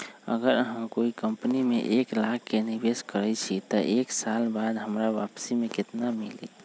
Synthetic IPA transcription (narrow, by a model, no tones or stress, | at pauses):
ə̰ɡəɾɦəmkoikəmpnimḛʔeklakːenibeskəɾɛt͡ʃʰit̪ɔʔeksalbad̪ɦəmɾaʋapsimekɪt̪namilḭ